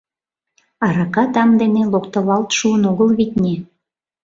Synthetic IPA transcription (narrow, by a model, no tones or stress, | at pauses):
ɑɾɑkɑt̪ɑmd̪enelokt̪əβɑlt̪ʃuənoɣəlβit̪̚ʲnʲe